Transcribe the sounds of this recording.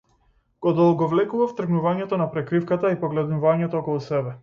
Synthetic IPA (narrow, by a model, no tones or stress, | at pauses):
ɡ̥ɔd̪ɔlˠɡɔvlɛkuvaft̪r̩ɡnuvaɲɛt̪ɔnapɾɛkɾifkat̪aipɔɡlɛd̪nuvaɲɛt̪ɔːkɔlˠusɛbɛ